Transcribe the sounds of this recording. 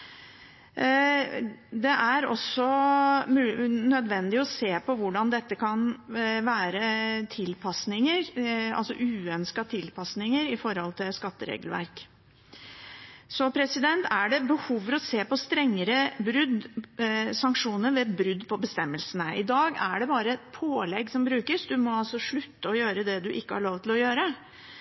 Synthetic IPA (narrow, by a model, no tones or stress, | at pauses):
d̪ɛʔæɾɔ̰sɔ | nœd̪ʋɛnd̪ɪɔseːpɔʋʊɖɑnd̪ɛt̪ːəkʰɑnʋæːɾət̪ʰɪlpʰɑsnɪŋəɾɑ̰lsɔ̰ʔʉːœnskɑt̪ʰɪlpʰɑsnɪŋəɾɪfɔɾhɔlt̪ʰɪlskɑt̪ːəɾḛːɡəlʋæ̰ɾk | sɔpʰɾɛsɪd̪ɛnt̪æɖɛbəhuːfəɾɔseːpɔst̪ɾɛŋːəɾəbɾʉd̪ | sɑŋkʂuːnəɾʋɛbɾʉd̪ːpʰɔbəst̪ɛmːəlsənəʔɪd̪ɑːɡæ̰ɖɛbɑːɾəpʰoːlɛɡːsɔmbɾʉːkəsd̪ʉmɔɑlsɔʂɭʉt̪ːəɔjøːɾəd̪ɛd̪ʉʔɪkːəhɑɭoːʋt̪ʰɪlɔjøːɾə